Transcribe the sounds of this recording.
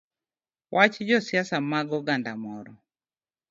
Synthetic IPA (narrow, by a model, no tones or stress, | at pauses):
wʔat͡ʃd͡ʒɔsjasamaɡɔɡandamɔɾɔ